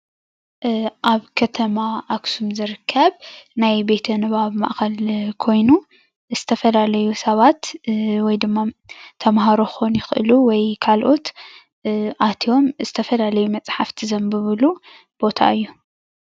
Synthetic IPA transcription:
ʔaβkʰɐt̪ʰɐmaʔaksumzɨɾɨkʰːɐβnajbe̞t̪ʰɐnɨβaβma̰ʔxɐlkʰo̞jnu | z̥ɨt̪ʰɐfɐlalɐjusɐβat̪wɔjd̪ɨmːat̪ʰɐmhaɾoxonjɪxʔɨ̰luwɔjkʰalʔo̞t̪ | ʔat̪ʰio̞mzɨt̪ʰɐfɐlalɐjumɐt͡sʼħaft̪ʰizɐmbɨβɨlu | b̥o̞t̪ʰa̰ɨjːu

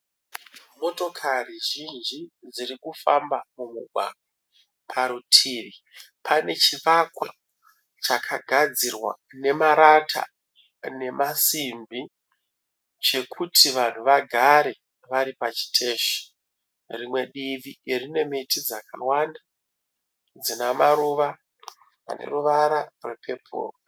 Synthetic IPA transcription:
mo̞to̞kʰariʒind͡ʒid͡ziɾikufambamumuɡʱwa̰ːɡwa | pʰaɾutʰiːʋi | pʰane̞t͡ʃiʋakwa | t͡ʃakʰaɡʱad͡zirwa̰ | ne̞maɾatʰa̰ | ne̞mʔasimbi | t͡ʃe̞kʰutʰiʋan̤uʋaɡʱaɾe̞ | ʋaɾipat͡ʃi̥tʰe̞ːʃi̥ | rimwe̞ɗiʋierine̞metid͡zakawanda | d͡zinamaɾuʋa | a̰ne̞̰ruʋaɾarwepʰe̞pʰo̰ːro

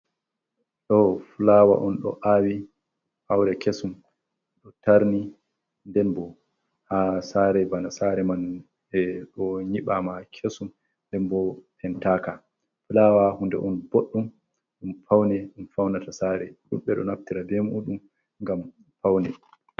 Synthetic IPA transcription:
ɗɔfulawa̰ʔɔnɗɔ̰ʔawi | hawɾɛkʰesum | ɗɔtaɾni | ndɛnbɔ | hasaːɾɛbanasaɾɛman | ɛɗɔɲiɓamakʰesum | ndɛnbɔhʰɛntaka | fulawahundɛ̰ʔɔnboɗːum | ɗumfawnɛɗumfawnatasaːɾɛ̰ɗumɓɛɗɔnaftiɾabɛmuːɗum | ŋɡam | fawnɛ

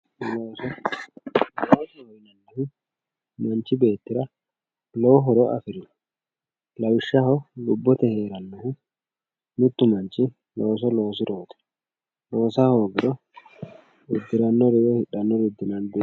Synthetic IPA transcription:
loːsɔ | loːsɛhɔɾɪnɐnːɐfɪ | mɐnt͡ʃɪbe̞ːt̪ːɪɾɐ | loːɦɔɾɔɐ̰fɪɾɪn | lɐwɪʃːahɔlʊbːɔt̪ɛhe̞ːɾɐnːɐhɪ | nʊt̪ːʊmɐnt͡ʃɪ | lo̞ːs̬ɔlo̞ːs̬ɪɾoːt̪ɛ̥ | lo̞ːsahoːɡɪɾɔ | ʊd̪ːɪɾɐnːɔɾɪjɔhɪᶑɐnːɔɾɪd̪ːɪnɐnd̪e

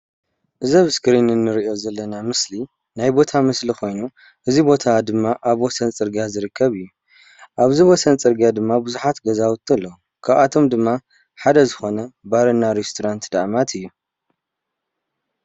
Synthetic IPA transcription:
ʔɨzɐβɨskʰɾinɨnːɨɾiʔo̞zɐlːɐnamɨsli | najbo̞t̪ʰamɨslixo̞jnu | ʔɨzibo̞t̪ʰad̪ɨmːaʔaβwɔsɐnt͡sʼɨɾɡijazɨɾɨkʰːɐβɨjːu | ʔaβziwɔsɐnt͡sʼɨɾɡijad̪ɨmːabɨzuħat̪ɡɐzawɨt̪ʰːlːɐu | kʰaβat̪ʰo̞md̪ɨmːa | ħad̪ɐzɨxo̞nɐbaɾɐnːaɾest̪ʰoɾant̪d̪aʔmat̪ʰɨjːu

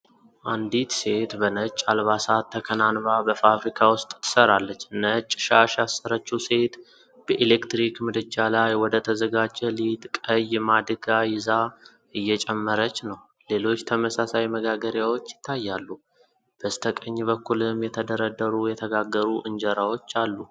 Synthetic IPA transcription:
ʔand̪it̪se̞t̪bənət͡ʃʼːalβasat̪ʰːəkʰənanβabəfafɾikʰawʊst̪ʼt̪ʰːɨ̥səɾalːət͡ʃːnət͡ʃʼːɪ̥ʃaʃasːəɾət͡ʃːuse̞t̪ | b̥əʔelekt̪ɾikmɨd̪ɨt͡ʃːalajwɔd̪ət̪ʰəzəɡad͡ʒɛlit̪kʼəjmad̪ɨɡajɪza | ɨjːɛt͡ʃʼɛmːəɾət͡ʃːnəw | le̞lo̞t͡ʃːt̪ʰəməsasajməɡaɡəɾjawo̞t͡ʃːjɪt̪ʰːajːalːu | b̥əst̪ʰəkʼəɲːβəkʰːulɨmjɛt̪ʰəd̪əɾəd̪ːəɾujɛt̪ʰəɡaɡːəɾuʔɨnd͡ʒəɾawo̞t͡ʃːalːu

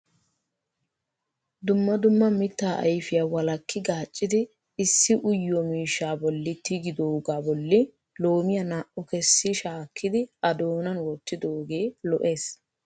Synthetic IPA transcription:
d̪ʊmːɐd̪ʊmːɐmɪt̪ːaːʔɐ̰jfɪjaːwɐlɐkːɪɡaːt͡ʃʼːɪd̪ɪ | ɪsːɪʔʊjːɔmiːʃːaːbɔlːɪt̪ɪɡɪd̪oːɡaːbɔlːɪ | lo̞ːmɪjɐnaːʔʊkɛsːɪʃaːkːɪd̪ɪɐd̪oːnɐnwɔt̪ːɪd̪o̞ːɡe̞ːlɔʔe̞ːs

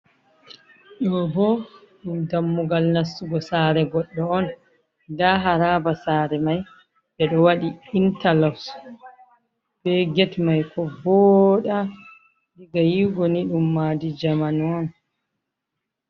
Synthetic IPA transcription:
ɗɔbɔ | ɗumdamːuɡalnasːuɡɔsaːɾɛɡɔɗːɔɔn | daɦaɾaːbasaːɾɛmaj | bɛɗɔwaɗiintalaws | bɛɡɛtmajkʰɔbɔɗa | diɡajiɡɔniɗumːadid͡ʒamanɔn

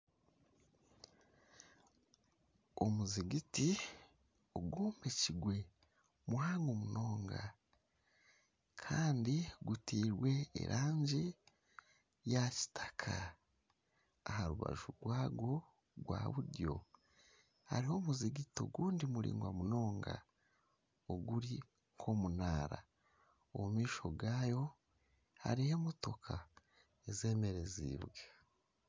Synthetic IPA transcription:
omuziɡiti | oɡuːmbe̞ciɡwe̞ | mwaːŋomuno̞ːŋɡa | kʰaːndiɡutiːɾwe̞̰ːɾʔaːɲɟi | jaci̥tʰḁkʰa | haɾuβa̰ʒuɾɡwaːɡo̞ | ɡwa̰ːβuɾjo̞̰ | ha̰ɾiho̞muziɡito̞̰ɡuːndimuɾḭːŋɡwamuno̞ːŋɡa̰ | oɡuɾi | ŋ̥kʰo̞munaːɾa | omumiːʃo̞̰ɡaːjo̞ | ha̰ɾihe̞moto̞kʰa | eze̞ːme̞ɾe̞zḭβwe

